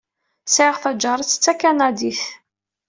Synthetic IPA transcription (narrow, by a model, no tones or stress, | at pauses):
sʕɪʁθæd͡ʒːəɾˤət͡sːə̥t͡sːækːænæd̪iθ